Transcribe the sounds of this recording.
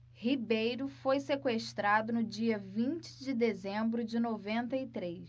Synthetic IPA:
hibejɾʊfojsekweʃt̪ɾad̪ʊnʊd͡ʒiɐvĩt͡ʃɪ̥d͡ʒɪd̪ezẽmbɾʊd͡ʒɪnovẽnt̪ɐit̪ɾejs

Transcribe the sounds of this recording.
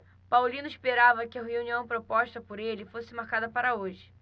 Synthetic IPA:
pawlĩnʊispeɾavɐkɪɐɦeũniɐ̃w̃pɾopɔʃt̪ɐpoɾelɪfosɪmaɾkad̪ɐpaɾɐoʒɪ

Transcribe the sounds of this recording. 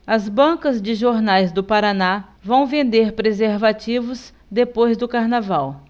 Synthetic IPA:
ɐzbɐ̃kɐzd͡ʒɪʒoɾnajzd̪ʊpaɾanavɐ̃w̃vẽnd̪eɾpɾezeɾvat͡ʃivʊz | d̪epojzd̪ʊkaɾnavaw

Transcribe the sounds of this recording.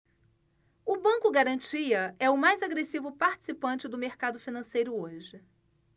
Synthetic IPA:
ʊbɐ̃ŋkʊɡaɾɐ̃nt͡ʃiɐɛʊmajzaɡɾesivʊpaɾt͡ʃɪ̥sipɐ̃t͡ʃɪd̪ʊmeɾkad̪ʊfinɐ̃sejɾʊoʒɪ

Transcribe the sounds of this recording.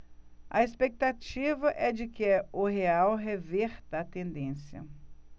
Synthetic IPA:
ɐ̰espek̚t̪at͡ʃivɐʔɛd͡ʒɪkɪɛʊɦeawɦeveɾt̪ɐːt̪ẽnd̪ẽsjɐ̰

